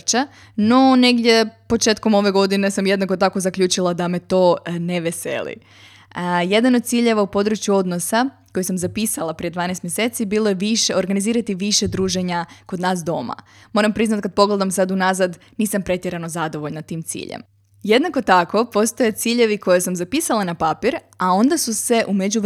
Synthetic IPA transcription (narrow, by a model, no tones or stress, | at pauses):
t͡ʃa | no̞ne̞ɡd̪ʲje̞po̞t͡ʃe̞ːt̪ko̞mo̞ʋe̞ɡo̞d̪ine̞samje̞d̪nako̞t̪ako̞zakʎuːt͡ʃilˠad̪ame̞t̪o̞ːneʋesḛlḭ | je̞d̪anod̪̚t̪siːʎe̞ʋaupo̞d̪ɾut͡ʃjuo̞d̪nosa | ko̞jisamzapiːsalˠapɾije̞d̪ʋaːnest̪mje̞set̪sibiːlˠoje̞ʋiʃeo̞ɾɡaniziːɾat̪iʋiʃe̞d̪ɾuːʒeɲako̞d̪naːs̬d̪o̞ma̰ | mo̞ːɾampɾiznat̪̚kad̪̚po̞ɡle̞d̪amsad̪unazad̪ | niːsampɾe̞t̪jeɾano̞zad̪o̞ʋo̞ʎnat̪iːmt̪sḭːʎḛm | je̞d̪nako̞t̪ako̞po̞st̪oje̞t̪siːʎe̞ʋiko̞jesamzapisalˠanapapiɾ | ao̞nd̪asuse̞ʔumed͡ʑuʋ